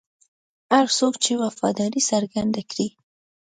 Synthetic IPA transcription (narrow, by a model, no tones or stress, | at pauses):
haɾsokt͡ʃewafɑ̰d̪ɑɾisaɾɡand̪akɽi